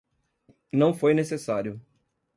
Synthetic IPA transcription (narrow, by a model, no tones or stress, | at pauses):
nɐ̃w̃fojnesesaɾjʊ